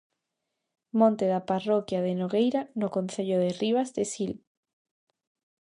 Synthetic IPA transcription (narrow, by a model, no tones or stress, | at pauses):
mõnt̪eðaparokjað̞enoɣejɾanokonθeʎoðeriβ̞azðesil